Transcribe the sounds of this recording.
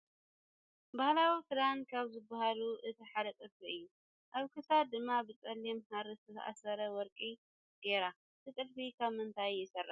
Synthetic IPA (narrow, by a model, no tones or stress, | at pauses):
bahlawifɨɾankʰaβzɨbːaɦaluʔɨt̪ʰiħad̪ɐt̪ʼɨlfiɨjːu | ʔaβkʰɨsad̪ɨmːabɨt͡sʼɐlːimhaɾɨt̪ʰɨt̪ʰʔa̰sɐɾɐwɔɾkʼi | ɡ̥eɾa | t̪ʰɨt̪ʼɨlfikʰaβmɨnt̪ʰajːɪsɐrːa